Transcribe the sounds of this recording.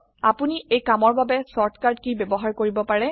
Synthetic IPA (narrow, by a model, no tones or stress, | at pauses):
apuniejkamɔɹbabɛsɔɹtʰkaɹdkibebɔɦaɹkoɹibɔpaɹɛ